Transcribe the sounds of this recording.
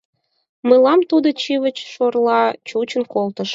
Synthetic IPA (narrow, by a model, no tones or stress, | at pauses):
mɨlɑmt̪ud̪ət͡ɕiβət͡ɕʃorlˠɑt͡ɕut͡ɕənkolˠt̪əʃ